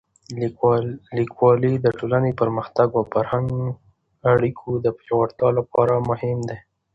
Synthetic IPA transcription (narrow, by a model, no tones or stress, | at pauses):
likwɑlid̪əʈolanepəɾməxt̪aɡawfaɾhaŋɡ | aɽikʰod̪əpeawaɾt̪jɑlapɑɾamʊhɪmd̪e